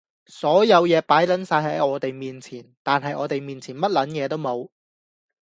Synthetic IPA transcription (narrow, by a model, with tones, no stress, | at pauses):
sɔː˨˥jɐ˨˧wjɛː˨˧paː˨˥jlɐ˨˥nsaː˧jɦɐ˨˥jɔː˨˧t̪e˨jmiː˨nt͡sʰiː˨˩nt̪aː˨nɦɐ˨jʔɔː˨˧t̪e˨jmiː˨nt͡sʰiː˨˩nmɐ˥t̚lɐ˨˥njɛː˨˧t̪o˥wmo˨˧w